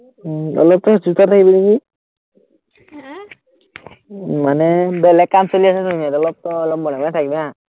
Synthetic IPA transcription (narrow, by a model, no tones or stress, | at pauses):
ɔ̰lɔp̚t̪ɔsut̪at̪ʰakibineki | manɛbɛlɛkːamsɔliasɛnumatɔlɔp̚t̪ɔːlɔp̚bɔɽamanɛt̪ʰakibɛa